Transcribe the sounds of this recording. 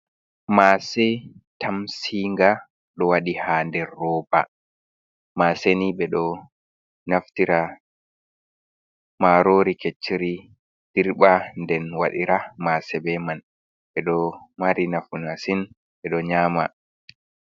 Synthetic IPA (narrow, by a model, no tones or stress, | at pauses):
maːsɛtʰamsiŋɡa | ɗɔwaɗihaːndɛrːɔːba̰ | maːseniɓɛɗɔ | naftiɾa | maɾoːɾiket͡ʃːiɾi | d̥iɾɓandɛnwa̰ɗiɾamasɛbɛman | ɓɛɗɔmaɾinafunasin | ɓɛɗɔɲaːma̰